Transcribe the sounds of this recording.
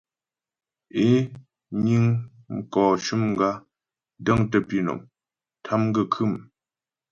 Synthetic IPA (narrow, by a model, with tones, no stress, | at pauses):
e˦ | ɲi˦ŋ | ŋ̩˦kɔː˨t͡ʃu˦mŋ̩˦ɡa˦ | də˦ŋtə˦˨pi˦˨no̰˨m | tʰa˦mɡə˦˨kʰʉ˦˨m